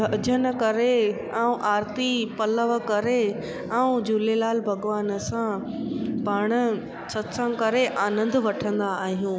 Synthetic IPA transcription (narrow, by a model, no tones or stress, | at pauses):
əd͡ʑʱən̆kɐɾe | aːũʔaːɾt̪ipɐləʋ̆kɐɾe | aːũd͡ʑulelaːlbʱɐɡʋaːnsã | paːɽ̃ə̆ | sɐt̪sãkɐɾeʔaːnə̃nd̪ʋɐʈʰə̃nd̪aːɦijũː